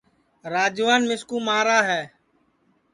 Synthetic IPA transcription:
ɾaːd͡ʒʋaːnmɪskũːmaːɾaːɦɛː

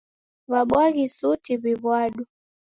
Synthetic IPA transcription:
βaɓwaɣisutiβiβwaɗu

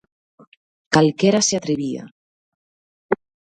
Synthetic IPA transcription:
kalkeɾaseat̪ɾeβia̰

